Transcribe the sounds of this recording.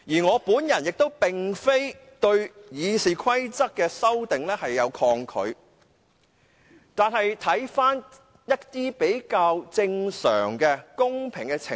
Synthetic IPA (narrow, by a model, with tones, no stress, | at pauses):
jiː˨˩ŋɔː˨˧puː˨˥njɐ˨˩njɪ˨k̚t̪o˥wpɪ˨˩ŋfe˥jt̪ɵ˧ɥjiː˨˧siː˨˩kʰɐ˥jt͡sɐ˥k̚kːɛː˧sɐ˥wt̪ɪ˨ŋlɛː˥hɐ˨jːɐ˨˧wkʰɔː˧ŋkʰɵ̰˨˧ɥ | t̪aː˨nɦɐ˨jt̪ʰɐ˨˥jfaː˥n | jɐ˥t̚t̪iː˥pe˨˥jkaː˧wt͡sɪ˧ŋsœ̰ː˨˩ŋkɛː˧kʊ˥ŋpʰɪ˨˩ŋkɛː˧t͡sʰɪ̰˨˩